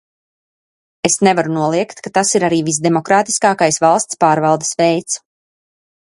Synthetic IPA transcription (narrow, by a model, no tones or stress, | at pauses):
esnɛvaɾunuɔlˠiɛkt̪kat̪asiɾaɾiːvis̬d̪emɔkɾaːt̪i̥skaːkajsvalˠst̪spaːɾvalˠd̪ə̥svɛjt̪s